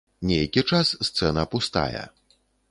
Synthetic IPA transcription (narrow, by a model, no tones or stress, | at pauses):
nʲejkʲit͡ʂasːt̪sɛnɐːpust̪a̰jɛ̰